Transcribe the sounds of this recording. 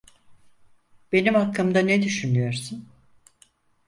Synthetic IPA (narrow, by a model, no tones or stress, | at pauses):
b̥e̞nimakːɯmd̪anɛd̪yʃynyjo̞ɾsun